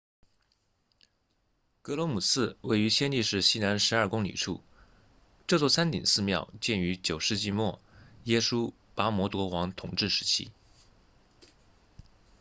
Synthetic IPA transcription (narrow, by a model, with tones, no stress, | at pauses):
kɤ˧˥lwɔ˧˥mu˨˩sɹ̩˥˧we˥˩ɪy˧˥ɕjɛ˥nti˥˧ʂɻ̩˥˩ɕi˥˩na˧˥nʂɻ̩˧˥ɐ˞˥˩kʊ˥ŋlḭ˨˩ʈ͡ʂʰu˥˩ | ʈ͡ʂɤ˥˧t͡swɔ˥˩sa˥nt̪ḭ˨˩ŋsɹ̩˥˧mjɑ˥˧ʊt͡ɕjɛ˥˩ny˧˥t͡ɕjo˨˩ʊʂɻ̩˥˧t͡ɕi˥˧mwɔ˥˩jɛ˥ʂu˥ | pa˥mwɔ˧˥t̪wɔ˧˥wɑ˧˥ŋt̪ʰʊ˨˩ŋʈ͡ʂɻ̩˥˩ʂɻ̩˧˥t͡ɕʰḭ˥